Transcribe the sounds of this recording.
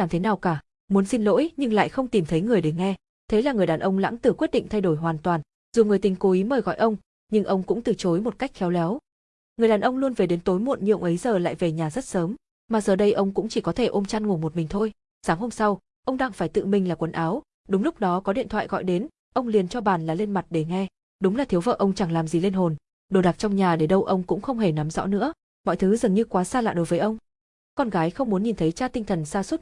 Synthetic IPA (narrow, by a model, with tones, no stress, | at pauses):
aː˧˩t̪e˨˦naː˨˩wkaː˧˩ | mu˨˦nsi˧nlo̰˧˥jɲɨ˧ŋla̰ː˧˨jxə˧wŋ͡mt̪i˨˩mt̪ʰə˨˦jŋɨ˨˩əjɗe˧˩ŋɛ˧ | t̪ʰe˨˦laː˨˩ŋɨ˩jɗaː˨˩nʔə˧wŋ͡mla̰˧˥ŋt̪ɨ˧˩kwi˦˥ət̚ɗḭ˧ŋt̪ʰa˧jɗo˧˩jɦwaː˨˩nt̪waː˨˩n | zu˨˩ŋɨ˨˩jt̪ï˨˩ŋ̟ko˨˦ʔi˨˦məː˧˩jɣɔ̰˧˨jʔə˧wŋ͡m | ɲɨ˧ŋʔə˧wŋ͡mkʊ̰˧˥ŋ͡mt̪ɨ˨˩t͡ɕo˨˦jmo˨˩t̚ka˦˥jk̟̚xɛ˨˦wlɛ˨˦w | ŋɨ˨˩əjɗaː˨˩nʔə˧wŋ͡mlu˧ənve˨˩ɗe˨˦nt̪o˨˦jmo̰˧˨nɲḭ˧˨əwŋ͡mʔə˨˦jzəː˨˩la̰ː˧˨jve˨˩ɲaː˨˩zə˦˥t̚səː˨˦m | maː˨˩zəː˨˩ɗə˧jʔə˧wŋ͡mkʊ̰˧˥ŋ͡mt͡ɕi˧˩kɔ˨˦t̪ʰe˧˩ʔo˧mt͡ɕa˧nŋ˨˩nmo˨˩mï˨˩ŋ̟t̪ʰo˧j | saː˨˦ŋɦo˧msa˧w | ʔə˧wŋ͡mɗaː˧ŋfaː˧˩jt̪ɨ̰˧˨mï˨˩ŋ̟laː˨˩kwə˨˩˦nʔaː˨˦w | ɗʊ˨˦ŋ͡mlʊ˦˥k͡p̚ɗɔ˨˦kɔ˨˦ɗḭ˧˨ənt̪ʰw̰a̰ː˧˨jɣɔ̰˧˨jɗe˨˦n | ʔə˧wŋ͡mli˨˩ənt͡ɕɔ˧ɓaː˨˩nlaː˨˩le˧nma˨˩t̚ɗe˧˩ŋɛ˧ | ɗʊ˨˦ŋ͡mlaː˨˩t̪ʰi˨˦əwvə̰ː˧˨ʔə˧wŋ͡mt͡ɕaː˧˩ŋlaː˨˩mzi˨˩le˧nɦo˨˩n | ɗo˨˩ɗa˨˩t͡ɕɔ˧wŋ͡mɲaː˨˩ɗe˧˩ɗə˧wʔə˧wŋ͡mkʊ̰˧˥ŋ͡mxə˧wŋ͡mɦe˧˩na˨˦mzɔ̰˧˥nɨ̰˧˥ə | mɔ̰˧˨jt̪ʰɨ˨˦zɨ˨˩ŋɲɨ˧kwaː˨˦saː˧la̰ː˧˨ɗo˨˦jvəː˨˦jʔə˧wŋ͡m | kɔ˧nɣaː˨˦jxə˧wŋ͡mmu˨˦ənɲi˨˩nt̪ʰə˨˦jt͡ɕaː˧t̪ï˧ŋ̟t̪ʰə˨˩nsaː˧swə˦˥t̚